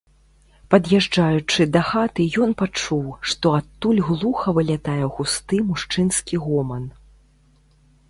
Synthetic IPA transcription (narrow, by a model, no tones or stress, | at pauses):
pɐd̪jɛʐd͡ʐajut͡ʂɨd̪ɐxat̪ɨjɔnpat͡ʂuwʂt̪ɔat̪ːulʲɣlˠuxɐvɨlʲat̪ajɛɣust̪ɨmuʂt͡ʂɨnskʲiɣɔmɐn